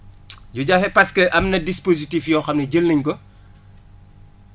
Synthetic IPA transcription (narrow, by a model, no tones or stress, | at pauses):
ɟuɟɐfɛpɐskəʔɐmnɐdispozitiːfjɔːxɐmnɐɟəlnəɲkɔ